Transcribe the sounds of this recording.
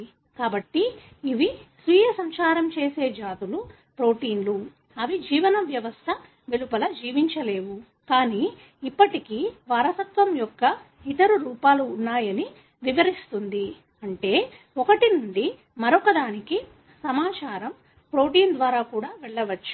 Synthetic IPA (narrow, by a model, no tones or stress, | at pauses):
kaːbɐʈːi | iʋisʋiːjɐsɐmt͡ʃaːɾɐmt͡ʃeːse̞ːd͡ʒaːt̪ulu | pɾo̞ːʈiːnlu | ɐʋid͡ʒiːʋɐnɐʋjɐʋɐst̪ʰɐ | ʋelupɐlɐd͡ʒiːʋiɲt͡ʃɐle̞ːʋu | kaːniː | ipːɐʈikiʋaːɾɐsɐk̪ʋɐmjɔkːɐ | it̪ɐɾuɾuːpaːluːnːaːjɐni | ʋiʋɐɾist̪und̪i | ɐɳʈe̞ː | ɔkɐʈinuɳɖi | mɐɾɔkɐd̪aːniki | sɐmaːt͡ʃaːɾɐm | pɾo̞ːʈiːnd̪ʋaːɾaːkuːɽaːʋɛɭːɐʋɐt͡ʃːu̥